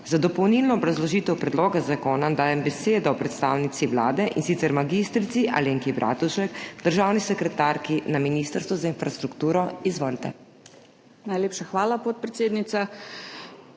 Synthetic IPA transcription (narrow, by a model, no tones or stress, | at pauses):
zad̪ɔpɔwnilnɔːbɾazlɔʒiːt̪ɛwpɾɛd̪loːɡazakoːnad̪aːjɛmbɛseːd̪ɔɔpɾɛt̪st̪a̰ːwnit̪siʋla̰ːd̪ɛʔinsit̪sɛɾmaɡist̪ɾit̪siʔa̰leːŋkibɾʔa̰ːt̪uʃɛkd̪əɾʒaːwnisɛkɾɛt̪aːɾkinaminiːst̪əɾst̪ʋɔzainfɾast̪ɾukt̪uːɾɔizʋɔlt̪ɛ̰ | najleːpʃaxʋaːlapot̪̚pɾɛt̪seːd̪nit̪sa